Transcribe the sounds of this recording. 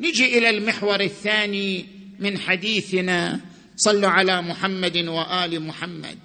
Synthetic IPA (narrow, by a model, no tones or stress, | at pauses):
nɪd͡ʒiʔɪlalmɪħwɑɾˤɪθːaːni | mɪnħad̪iːθɪna | sˤɑlːuʕalamʊħamːad̪waʔaːlɪmʊħamːa̰d̪̚